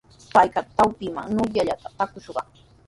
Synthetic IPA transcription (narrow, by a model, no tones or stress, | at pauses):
pajkɑt̪awpɪma̰ŋnʊjaʎat̪ḁt̪akʊʃɢɑ̰